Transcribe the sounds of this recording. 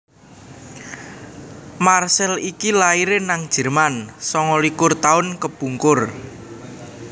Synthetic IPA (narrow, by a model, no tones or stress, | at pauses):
marsɛlikilaiɾenaŋd̥ʒ̥ə̤rmansɔŋɔlikʊrt̪aʊnkəb̥ṳŋkʊr